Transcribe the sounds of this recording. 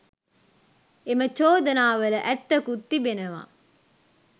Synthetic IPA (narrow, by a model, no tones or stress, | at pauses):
emət͡ʃoːd̪ɐnaːʋələʔæt̪ːɐkut̪ːibenəʋa̰ː